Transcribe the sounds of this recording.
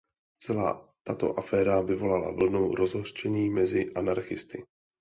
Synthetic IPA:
t͡sɛla̰ːt̪at̪o̞̰ʔafɛːɾavɪvo̞lala̰vl̩no̞wɾʔo̞zɦor̥t͡ʃɛɲiːmɛzɪʔanaɾxɪst̪ɪ

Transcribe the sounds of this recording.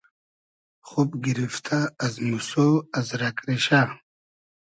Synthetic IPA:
χupɡiɾift̪ʰaːzmusoazɾakʼɾiɕa

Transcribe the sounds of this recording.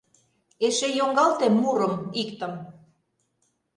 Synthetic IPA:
eʃejoŋɡɑlt̪emːuɾə̆mikt̪ə̆m

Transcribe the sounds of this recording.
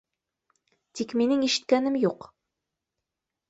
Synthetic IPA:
t̪ikminɘŋiʃɘ̆t̪̚kænɘmjuq

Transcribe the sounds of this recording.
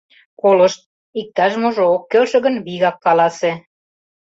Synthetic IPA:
kolə̆ʃt̪̚ | ik̚t̪ɑʃmoʒookːølʃə̆ɣə̆nβiɣɑkːɑlɑse

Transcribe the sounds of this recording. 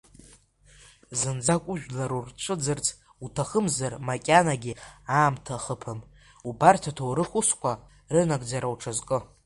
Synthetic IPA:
zɨnd͡zakʷʼʊʒᶣlaɾurt͡ʃʷʰʼɨd͡zɨrt͡sʰʼ | utʰaχəmzarmakʲʼanaɡʲiaːmtʰaχəpʰɨm | ubartʰatʰowɾɨχʷʊskʷa | rɨnaɡʼd͡zaɾawʈ͡ʂʰazkʼɨ

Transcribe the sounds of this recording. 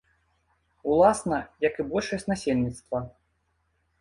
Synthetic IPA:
ulˠasnɐjɐkɨbɔlʲʂɐsʲtʲnasʲelʲnʲit̪st̪vɐ

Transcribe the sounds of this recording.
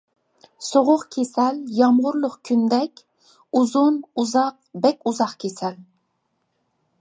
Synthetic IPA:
soʁʊqkʲʰesɛljɑmʁʊɾlˠʊqkʲʰynd̪ɛkʲ | uzunuzɑq̚bɛkʲuzɑqkʲʰesɛl

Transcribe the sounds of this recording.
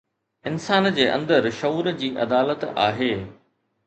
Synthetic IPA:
ɪnsaːnd͡ʑeːʔɐ̰̃nd̪əɾʃɐuːɾd͡ʑiːʔɐ̰d̪aːlət̪a̰ːɦeː

